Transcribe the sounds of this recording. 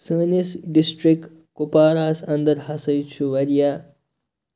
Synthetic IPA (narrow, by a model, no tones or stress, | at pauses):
səːnisɖisʈɾik | kupaːɾaːsɐnd̪ɐɾhɐsəjt͡ʃʰuʋɐɾija